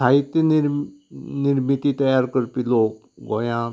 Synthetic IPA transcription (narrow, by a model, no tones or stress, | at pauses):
ait̪jəniɾniɾmit̪it̪əjaːɾkəɾpiloːk | ɡojã